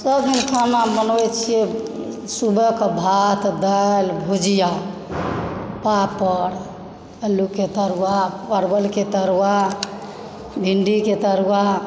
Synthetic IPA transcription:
səbɦinkʰanabənoɛt͡ʃʰije | subəkbʱat̪d̪ajlbʱud͡ʒija | papəɾ | elːuket̪əɾuwapəɾbəlket̪əɾwa | bʱiɳɖiket̪əɾuwa

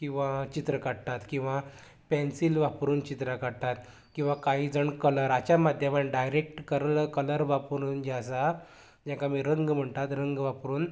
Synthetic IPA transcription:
kĩw̃ʋat͡ɕit̪ɾəkaɽt̪at̪kĩw̃ʋa | pɛnsilʋapɾuːnt͡ɕit̪ɾakaɽt̪at̪ | kĩw̃ʋakaɦiːd͡zəɳkələɾat͡ɕamad̪ʱjəmaʈɖajɾek̚ʈkəɾləkələɾʋapɾuːnd͡ʑasa | d͡ʑãkamiːɾəŋɡm̤əɳt̪at̪ɾəŋɡʋapɾuːn

